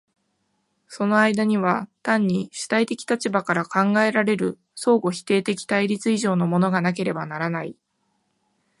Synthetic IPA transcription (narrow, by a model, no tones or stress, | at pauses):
so̞no̞aid̪aɲ̟iβ̞at̪ãɲ̟ːiɕi̥t̪ait̪e̞kʲi̥t̪at͡ɕibakaɾakãŋɡae̞ɾaɾe̞ɾɯ̟ | so̞ːɡo̞çi̥t̪e̞ːt̪e̞kʲi̥t̪aiɾʲit͡sɨiʑo̞ːno̞mo̞no̞ɡanak̬e̞ɾe̞banaɾanai